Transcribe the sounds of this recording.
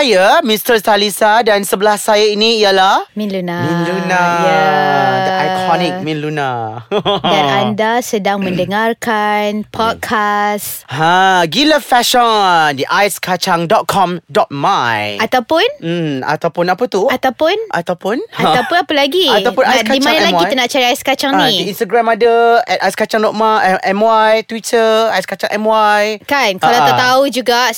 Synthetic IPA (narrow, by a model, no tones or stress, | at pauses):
ajamĩstəsalisadansəbəlahsajainĩːjalahmĩnlunamĩnlunajadəʔajkʰɔnik̚mĩnluna | danandasədaŋmə̃ndəŋarkʰanpʰɔt̚kʰasãɡiləfɛʃɔ̃ndiʔajskʰat͡ʃaŋdɔt̪̚kʰɔmdɔt̪̚majʔat̪awpʊnm̩a̰t̪awpunapət̪uat̪awpʊnʔat̪awpunat̪awpʊnapəlaɡiat̪apunaajkaimmãnalaakianaʔt͡ʃaɾiajskat͡ʃaŋnidiĩnst̪aɡɾãmadəɛt̪̚ajskat͡ʃãŋdɔt̚maʔɛmwajt̪witʰəajskat͡ʃã̰ŋʔɛ̰mwajkankalaat̪aud͡ʒuɡa